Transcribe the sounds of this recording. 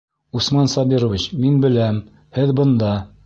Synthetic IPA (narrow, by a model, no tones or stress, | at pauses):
usmɑnsɑbiɾŏvʲit͡ɕminbɘ̆læm | hɘðbŏnd̪ɑ